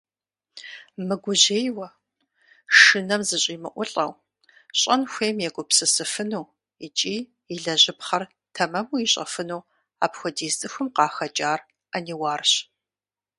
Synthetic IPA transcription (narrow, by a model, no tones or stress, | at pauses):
mɨɡʷʊʑeːjwɐ | ʂɨnɐmzɨɕʼiːmɨ̰ʔʷʊɬʼɐw | ɕʼɐnxʷeːmjɛɡʷʊpsɨsɨfɨnuː | it͡ʃʼiː | iɮɐʑɪpχɐr | tʰɐmɐmuiɕʼɐ̰fɨnuw | a̰ːpxʷɔdiːztʼɨxʷʊmqɑːxɐd͡ʒʼaːr | ɐniːwaːrɕ